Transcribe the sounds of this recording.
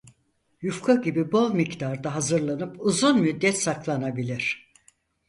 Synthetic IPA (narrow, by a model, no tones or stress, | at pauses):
jufkʰaɟibibo̞lˠmict̪aɾd̪aɦazɯɾlˠanɯpuzunmyd̪ːɛt̪saklˠanabilʲiɾ̝̥